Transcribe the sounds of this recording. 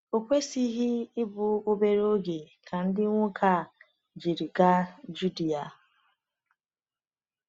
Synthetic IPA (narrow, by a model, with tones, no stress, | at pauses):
o˨kʷe˦si˦ɦi˦ɪ˦bʊ˨o˦be˦ɾo˦ɡe˨ | kʰa˨n̩˦dɪ˦ŋʷʊ˦kʰa˦˨ | d͡ʒi˨ɾi˨ɡa˦d͡ʒu˦di˨a˨